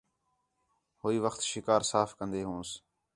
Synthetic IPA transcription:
hoːiːʋəxt̪ʃɪkaːɾsaːfkənd̪eːɦũːs

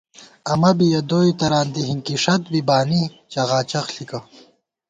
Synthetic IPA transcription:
ɐmɐbijɐd̪oːjt̪ɐɾaːnd̪iɦiŋkiʂɐt̪bibaːni | t͡ɕɐɣaːt͡ɕɐxɬikɐ

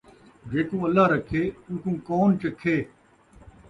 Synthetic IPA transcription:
d͡ʒeːkũːəlːaːɾəkʰeːũːkũːkoːnt͡ʃəkʰːeː

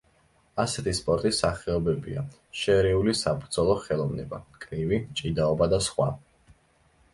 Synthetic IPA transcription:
asɛt̪ʰispʼɔɾt̪ʼisaχɛɔbɛbḭa̰ | ʃɛɾɛulisabɾd̪zɔlˠɔχɛlˠɔvnɛ̰bakʼnivit͡ʃʼid̪aɔbad̪asχwa̰

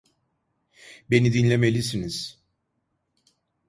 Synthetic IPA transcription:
be̞nid̪inlʲe̞me̞lʲisiniz̥

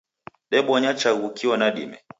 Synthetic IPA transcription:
ɗɛɓɔɲat͡ʃaɣukiwɔnaɗḭmɛ̰

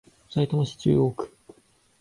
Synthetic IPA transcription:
sait̪omoɕi̥t͡ɕɨ̰ːoːkɯ̟̥

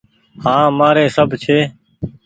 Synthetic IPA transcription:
hãːmaːɾeːsəbʱt͡ʃʰeː

